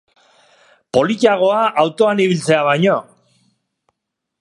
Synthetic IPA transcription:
po̞likiaɣ̞o̞aʔawt̪o̞aniβilt͡se̞aβajɲo̞

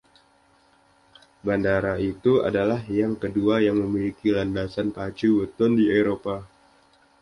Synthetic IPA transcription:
bandaɾait̪ua̰dalahjaŋkəduajaŋməmilikilandasanpat͡ʃubət̪ʊndieɾopa

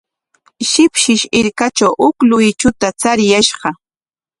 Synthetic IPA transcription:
ʃɪpʃɪʃɪɾkat͡ʃawʔʊklʊjt͡ʃʊt̪at͡saɾjaʃɢɑ

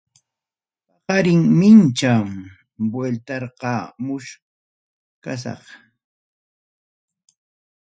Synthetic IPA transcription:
pɑqɑɾɪŋmɪnt͡ʃam | bwelt̪ɑɾqɑmʊʃ | kas̬ɑ̰χ

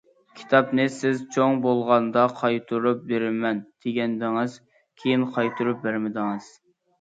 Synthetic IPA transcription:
kʲʰi̥t̪ʰɑpnɨsɪzt͡ʃʰoŋbolˠʁɑnd̪ɑqʰɑjt̪ʰuɾup̚beɾɪmɛnd̪̥ʰeɡʲɛnd̪ɪŋɨz | kʲʰejinqʰɑjt̪ʰuɾup̚bæɾmɪd̪ɪŋɨz̥

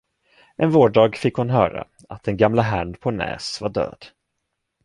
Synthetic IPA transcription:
ʔɛnvoːɖɑːɡfɪkːhʊnɦœːɾa̰ | at̪̚d̪ɛnɡamlaɦæɳpʰɔnɛ̰ːsvaɖø̰ːd̪̥

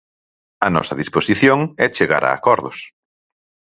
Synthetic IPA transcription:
ɐnɔ̰sɐðisposiθjoŋɛt͡ʃeɣa̰ɾa̰ːkɔɾðʊs

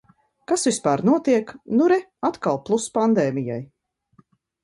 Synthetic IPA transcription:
kasvispaːɾnuɔt̪iɛknuɾɛ | at̪kalˠplˠuspand̪eːmija̰j

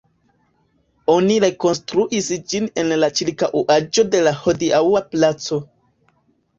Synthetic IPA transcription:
o̞niɾe̞ko̞nstɾuʔisd͡ʒine̞nlat͡ʃiɾkaʔuʔad͡ʒo̞de̞laho̞diawaplat͡so̞

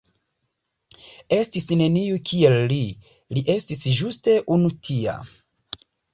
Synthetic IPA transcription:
e̞stisne̞niukʰielːi | liʔe̞stisʒuste̞ʔunutʰia̰

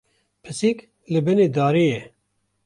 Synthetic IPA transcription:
pʰɨsik | lɨbɨned̪aːɾijɛ

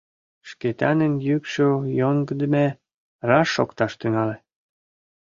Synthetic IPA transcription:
ʃket̪ɑnənjykʃojoŋɡəd̪əme | rɑʃːokt̪ɑʃt̪yŋɑle

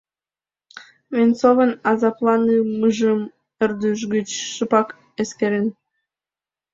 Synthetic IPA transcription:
vʲent͡sovə̆nɑzɑplˠɑnɯməʒəm | erd̪yʃ̬ɡət͡ɕʃɨpɑk | eskeɾen

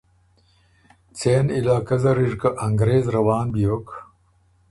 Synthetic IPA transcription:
t͡sʰeːnilaːkɐzɐɾiʐkɐʔɐŋɡɾeːzɾɐwaːnbijok

